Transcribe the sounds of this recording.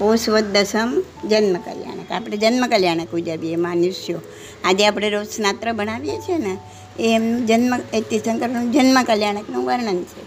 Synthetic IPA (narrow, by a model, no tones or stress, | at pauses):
posʋət̪̚ːəsəm | d͡ʒənməkə̰lja̰ɳ̃ə̰kapɽ̃ed͡ʒənməkəljaɽ̃əkɦud͡ʒaʋiemanʊʃjo | ad͡ʒeapɽ̃eɾosnat̪ɾəbəɽ̃aʋjet͡ʃʰiena | eːmnũd͡ʒənməet̪isəŋkəɾnũd͡ʒənməkəljaɽ̃əknũʋəɾɳənt͡ʃʰe